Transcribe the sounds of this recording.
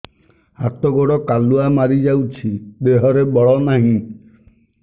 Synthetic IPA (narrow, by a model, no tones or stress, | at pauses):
at̪ɔɡɔɽɔkaluamaɾid͡ʒawt͡ʃʰid̪eɦɔɾebɔɭɔnaɦĩ